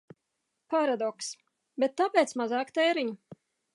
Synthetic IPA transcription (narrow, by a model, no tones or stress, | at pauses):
paɾad̪ɔks | bet̪ːapʲeːt̪smazɑːkt̪ɛjɾiɲu